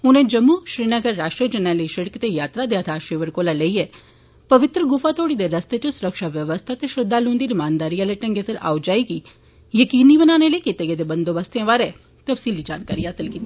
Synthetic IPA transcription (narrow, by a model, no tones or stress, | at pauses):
ʊnẽd͡ʒɐmːuʃɾiːnəɡəɾːaːʃʈɾiəd͡ʒɐnaləiʃɪɽkt̪ejaːt̪ɾad̪ejat̪ʰaʃeːʋəɾkoːlaləiɛ | pɐʋɪt̪ɾəɡʊfat̪ʰoːɽid̪eɾɐst̪et͡ʃõsʊɾəkʃaʋjəʋəst̪ʰat̪eʃɾɪd̪ʱːalũːnd̪iɾɪmaːnd̪aːɾialeʈɐ̃ŋɡesəɾa̰ːʊd͡ʒaːiki | jəkiːnibənaːneleikɪt̪eɡed̪ebɐ̃nd̪obəst̪ʰẽʋaːɾɛ | t̪ɐfsiːlid͡ʒaːnka̰ːɾiɦaːsɪlkiːt̪ːi